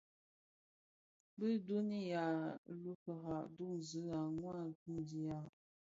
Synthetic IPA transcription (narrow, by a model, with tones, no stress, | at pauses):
bə˦du˦ni˦ja˨lu˦kə˨ɣa˨ʔdu˦˨ŋzə˨˦a˨ŋwa˦˨tu˦ŋdi˦ja˨